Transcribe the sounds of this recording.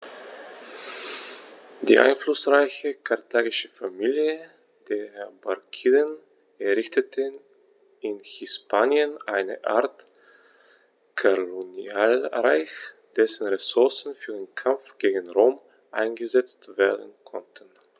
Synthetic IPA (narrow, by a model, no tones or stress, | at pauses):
d̥ḭːʔa̰ɪnflʊsʁaɪçəkʰaɐtʰaːɡɪʃəfamiːljə | d̥eːɐhɛɐbakʰiːdən | ʔɛɐʁɪçtətʰə | ɪnhɪspʰaːnjənʔaɪnə̰ʔa̰ɐt | kʰoloniaːlʁa̰ɪç | d̥ɛsn̩ʁɛsʊɐsn̩fyːɐdeːnkʰamfɡ̥eːɡən̩ʁoːm | ʔa̰ɪnɡəzɛt͡stv̥eːɐdn̩kʰɔ̰ntʰən̩